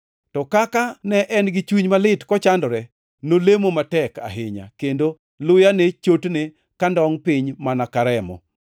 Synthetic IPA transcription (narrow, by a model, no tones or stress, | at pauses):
tɔkakanɛʔɛnɡɪt͡ʃwiɲmalɪtkɔt͡ʃandɔɾɛ | nolemomatɛka̰ɦɪɲa̰kendo | lʊjanet͡ʃotne | kandɔŋpɪɲmanakaɾɛmɔ̰